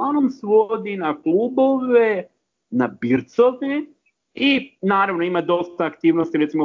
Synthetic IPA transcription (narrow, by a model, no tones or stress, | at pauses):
onomsʋod̪inakluːboʋe | nabiɾt̪soʋe | inaːɾaʋnoimad̪o̞st̪aːkt̪iːʋnost̪iɾet̪simo